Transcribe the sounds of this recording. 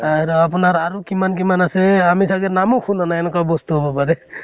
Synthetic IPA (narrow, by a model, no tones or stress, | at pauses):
aɾɔapunaɾaɾukimankimanasɛamisaɡɛnamukʰunɔnaɛnɛkabɔst̪uɦobɔpaɾɛ